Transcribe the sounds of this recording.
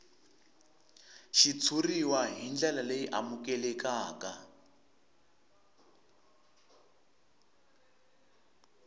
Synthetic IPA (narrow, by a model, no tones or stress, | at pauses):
ʃit͡sʰuriwaɦind͡ɮɛlalejiʔa̰mukɛlɛkaːka